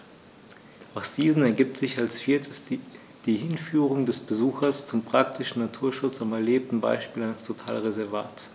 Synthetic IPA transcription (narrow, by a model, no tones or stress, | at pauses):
ʔaʊxz̥iːzn̩ɛɐɡiːp̚tz̥ɪçalsfiːɐtʰəs | d̥iːhɪnfyːʁʊŋdɛsb̥əzuːxɐst͡sʊmpʁ̥ak̚tʰɪʃn̩nːatʰuːɐʃʊt͡samɛɐleːp̚tn̩ba̰ɪʃpiːlalstʰotʰaːlʁezɛɐva̰ːt